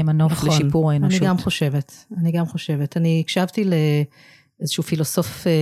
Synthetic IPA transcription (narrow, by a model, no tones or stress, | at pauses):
imanoχleoinpuʁhaenoniɡamχoʃe̞vetaniɡamχo̞ʃe̞vetanikʃavtile | ʔezeʃuːfilo̞so̞f